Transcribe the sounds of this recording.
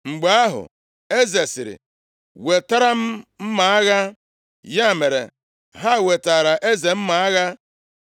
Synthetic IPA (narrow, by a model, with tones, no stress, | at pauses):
ŋ͡m̩˨ɡ͡ba˦ɦʊ̰˨ | e˦ze˨sɪ˨ɾɪ̰˨ | we˨ta˦ɾa˦m̩˦m̩˦ma˨a˦ɣa˦ | ja˦˨me˨ɾḛ˨ | ɦa˦˨we˨ta˨ɾa˨ʔe˦ze˨m̩˦ma˨a˦ɣa˦